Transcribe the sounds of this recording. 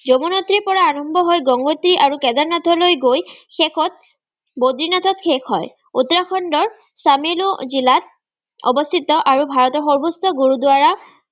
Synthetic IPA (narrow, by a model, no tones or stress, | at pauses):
zomunot̪ɹiɹpɔɹaːɹɔmbʱɔɦɔjɡɔŋɡot̪ɹiʔaɹukɛd̪aɹnat̪ʰɔlojɡojxɛkʰɔt̪̚ | bod̪ɹinat̪ʰɔtxʰɛkɦɔ̰j | ut̪ɹakʰɔndɔɹ | sameluzilat̪̚ | ɔ̰bɔst̪ʰit̪ɔʔaɹubʱaɹɔt̪ɔɹxɔɹbustɔɡoɹudwaɹa